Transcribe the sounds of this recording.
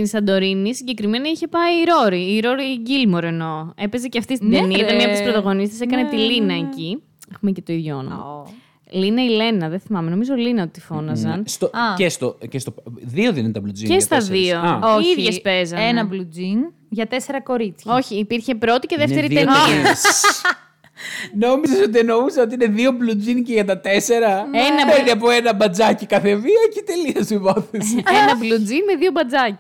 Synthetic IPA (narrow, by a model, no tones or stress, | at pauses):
t̪insɐnd̪o̞ɾinisiɲɟe̞kɾime̞nɐiçe̞pɐiːɾo̞ɾiːɾo̞ɾiɟilmoɾe̞no̞e̞pe̞zeceɐft̪ist̪ind̪eniɐt̪ɐmɐp̪sspɾot̪ɐɣo̞nist̪esekɐne̞t̪ilinɐeci | exumecet̪oiðʝoo̰no̰m̰ɐ̰ | linɐile̞nɐðeθimɐmeno̞mizo̞linɐot̪ifo̞nɐzɐnst̪oɐcest̪ocest̪oðioðint̪ɐblud͡zḭesst̪ɐðiso̞oiðʝespe̞zɐenɐblud͡zin | ʝɐt̪e̞se̞ɾɐko̞ɾit͡sçɐoçiːpiɾçe̞pɾo̞t̪iceðeft̪e̞ɾitienis | no̞mizeso̞t̪̬ieno̞misɐo̞t̪iine̞ðio̞blud͡zinceʝɐt̪ɐt̪e̞se̞ɾɐenɐpeɾniɐp̬oenɐbɐd͡zɐcikɐθeviɐcit̪e̞liɐsivɐθisenɐblud͡zinme̞ðio̞bɐd͡zɐci̥